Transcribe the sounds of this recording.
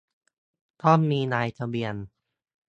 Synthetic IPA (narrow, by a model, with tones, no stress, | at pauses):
t̪ʰɔ˥˩mːiː˧naː˧jt̪ʰa˧bi˧ən